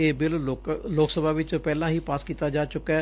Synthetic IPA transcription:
eːbɪlːloːksəbʱaːʋɪt͡ʃpɛːlãːɦiːpaːskiːt̪aːd͡ʒaːt͡ʃʊkːɛː

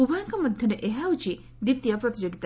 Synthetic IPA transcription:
ubʱaŋkɔmɔd̪ʱjɔɾeʔeɦaut͡ʃi | d̪it̪jɔpɾɔt̪id͡ʒɔɡit̪a

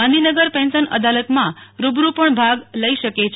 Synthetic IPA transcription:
ãnd̪ʱinəɡəɾpɛ̃nsənə̰d̪alət̪mãɾubɾupəɳbʱaɡləiʃəket͡ʃʰ

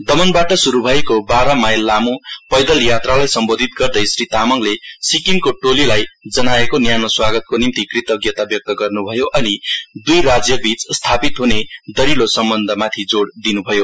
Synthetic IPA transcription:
d̪ʌmʌnbaʈʌsuɾubʱʌjkobaɾʌmajlːamupʌjd̪ʌljat̪ralajsʌmbod̪ʱit̪ɡʌrd̪ʌjsrit̪amʌŋlesikiŋkoʈolilajd͡zʌnaekonjanʌswaɡʌt̪̚konimt̪ikrit̪ʌɡjʌt̪abjʌk̚t̪ʌɡʌrnubʱʌjoʔʌnid̪ujɾad͡zjʌbit͡sst̪ʰapit̪ɦuned̪ʌɾilosʌmbʌnd̪ʱʌmat̪ʰid͡zoɽd̪inubʱʌjo

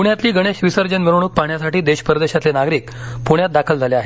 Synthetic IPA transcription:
puɳjat̪liːɡəɽ̃eɕʋisəɾd͡ʑənmiɾʋɳ̃uːk̚paɳjasaʈiːd̪eɕpɾəd̪eɕat̪lenaɡɾiːkpuɳjat̪̚d̪akʰəld͡zʱaleaɦe

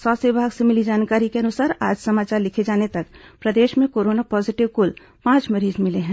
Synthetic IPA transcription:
sɔːsibʱaːɡsemɪlid͡ʒaːnkaːɾikeɐnʊsaːɾa̰ːd͡ʒsɐmaːt͡ʃaːɾlɪkʰed͡ʒaːnet̪ɐkpɾɐd̪eːʃmẽkoːɾoːnapɔːzɪʈɪʋkʊl | pãːt͡ʃmɐɾiːzmɪleɦɛ̃ː

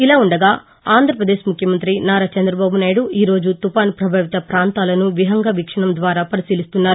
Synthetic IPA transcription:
ilaːuɳɖɐɡaː | aːnd̪ʱɾɐpɾɐd̪eːʃmukʰjɐmɐnt̪ɾinaːɾaːt͡ʃɐnd̪ɾɐbaːbunaːjɽuʔiːɾo̞ːd͡ʒut̪upaːnpɾɐbʱaːʋit̪ɐpɾaːnt̪aːlɐnuʋiɦɐŋɡɐʋikʂɐɳɐmd̪ʋaːɾaːpɐɾisiːlist̪unːaːɾu

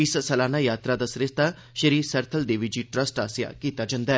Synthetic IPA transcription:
ɪssɐlaːnaːjaːt̪ɾad̪aːsɾest̪a | ʃəɾiːsɐɾt̪ʰəld̪eːʋid͡ʒiːʈɾəsʈaːsɪja̰kiːt̪ad͡ʒãnd̪aɛ

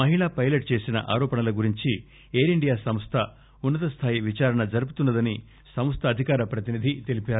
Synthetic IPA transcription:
mɐɦiɭaːpɐjlɐʈ̚t͡ʃe̞ːsinɐ̰ʔa̰ːɾɔːpɐɳnɐlɐɡuɾiɲt͡ʃi | eːɾiɳɖijaːsɐmst̪ʰɐ | unːɐt̪ɐst̪ʰaːjiʋit͡ʃaːɾɐɳɐd͡ʒɐɾup̬ut̪unːɐd̪ɐni | sɐmɐst̪ʰɐːd̪ʱikaːɾɐpɾɐt̪̬inid̪ʱit̪e̞lipaːɾu

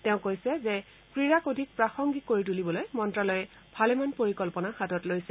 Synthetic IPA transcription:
teʊ̃kojsɛzɛ | pɹiɹakodʱik̚pɹaxɔŋɡikoɹit̬ulibɔlojmɔntɹalɔjɛ | bʱalɛmanpoɹikɔlpɔnahatɔtlojsɛ

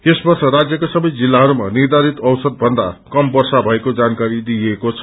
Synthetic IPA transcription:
esbʌrt͡sʰʌrad͡zjʌkosʌbʌjd͡zilːaɦʌɾumanird̪ʱaɾit̪ʌwsʌd̪̚bʱʌnd̪akʌmbʌrsabʱʌekod͡zankaɾid̪iekot͡sʰʌ̥

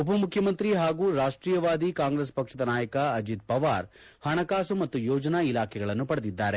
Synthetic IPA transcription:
upɐmukʰjɐmɐnt̪ɾiɦaːɡuːɾaːʂʈɾiːjɐʋaːd̪ikaːŋɡɾespɐkʂɐd̪ɐnaːjɐkɐɐd͡ʒit̪̚pɐʋa̰ːɾhɐɳɐkaːsumɐt̪ːujɔːd͡ʒɐnaːilaːkʰɛɡɐɭɐnːupɐɽɐd̪id̪ːaːɾe

